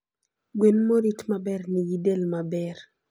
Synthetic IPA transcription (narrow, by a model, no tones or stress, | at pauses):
ɡwenmoɾitmabɛrnijidelmabɛr